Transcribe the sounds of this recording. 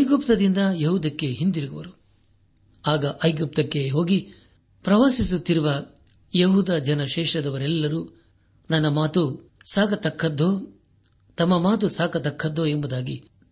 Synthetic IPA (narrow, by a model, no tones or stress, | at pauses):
ɐjɡupt̪ɐd̪ind̪ɐjɐɦud̪ɐkːe̞ɦind̪iɾiɡɐʋɐ̰ɾu | aːɡɐʔɐjɡup̚t̪ɐkːe̞ɦo̞ːɡi | pɾɐʋaːsisut̪ːiɾuʋɐ | jeɦuːd̪ɐd͡ʒɐnɐʃɛːʂɾɐd̪ɐʋɐɾɛlːɐɾuː | nɐnːɐmaːt̪u | saːkɐt̪ɐkʰːɐd̪ːoː | t̪ɐmːɐmaːt̪̬usaːkɐt̪ɐkʰːɐd̪ːoːembud̪aːɡḭ